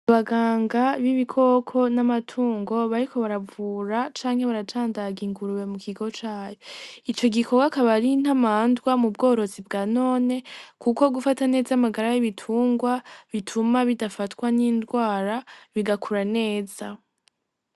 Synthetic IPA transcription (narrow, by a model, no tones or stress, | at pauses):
aβaɡaːŋɡaβiβikʰo̞kʰo̞namatʰuːŋɡo̞βaɾikʰo̞βaɾavuɾat͡ʃaːŋhe̞βaɾat͡ʃaːndaɡiŋɡuɾuwe̞mukʰiɡo̞t͡ʃaːjoit͡ʃo̞ɡikʰo̞ɡakaβaɾin̥amaːndɡwamubɡo̞ːɾo̞zib̚ɡaːno̞ːne̞kʰuko̞ɡufatane̞ːzaamaɡaɾajiβitʰuːŋɡwaβitʰumaβidafatkwaniːndɡwaːɾaβiɡakʰuɾane̞ːz̥a